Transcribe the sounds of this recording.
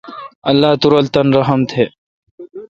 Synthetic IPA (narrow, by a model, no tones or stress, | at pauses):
ɐlːaːt̪uɾɐlt̪ɐnɾɐɦəmt̪ʰeː